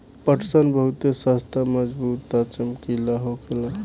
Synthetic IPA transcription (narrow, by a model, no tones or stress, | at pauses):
pəʈʰsənbəɦut̪esast̪ʰaməd͡ʒbut̪at͡ʃəmkilaɦokela